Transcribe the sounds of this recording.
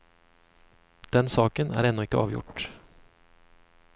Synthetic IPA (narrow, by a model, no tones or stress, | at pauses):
d̪̥ɛnsɑːkənæ̰ːɾɛnːɔɪkːəɑːʋjʊ̰ʈ